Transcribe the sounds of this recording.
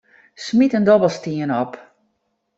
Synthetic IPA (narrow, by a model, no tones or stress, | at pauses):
smitəndɔbəlˠstiənɔp